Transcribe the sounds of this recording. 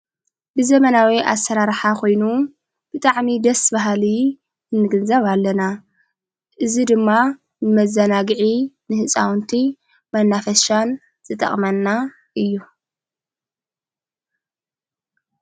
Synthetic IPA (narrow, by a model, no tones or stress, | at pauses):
bɨzɐmɐnawiʔa̰sːɐɾaɾħakʰo̞jnu | b̥ɨt̪ʼaʕmid̪ɐsbaɦli | ɨnːɨɡɨnzɐβalːɐna | ʔɨzid̪ɨmːa | nɨmɐzːɐnaɡʕi | nɨhɨt͡sʼawnt̪ʰi | mɐnːafɐʃan | z̥ɨt̪ʼɐ̰χʼmɐnːa | ʔɨjːu